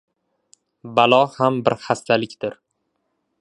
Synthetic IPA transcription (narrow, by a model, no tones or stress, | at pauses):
balˠɒhambɪɾhast̪ʰalɪkʲd̪̥ɪɾ